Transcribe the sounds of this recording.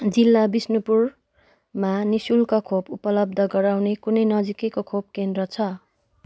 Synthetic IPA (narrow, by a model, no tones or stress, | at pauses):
d͡zilːabisnupur | manisulkakʰopupʌlʌb̚d̪ʱʌɡʌɾawnekunʌjnʌd͡zikekokʰob̚kend̪rʌt͡sʰʌ